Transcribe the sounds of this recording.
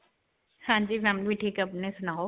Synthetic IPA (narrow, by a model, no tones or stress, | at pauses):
hãːɲd͡ʒiːʋãmliʈʰiːkɐpnesʊnaːo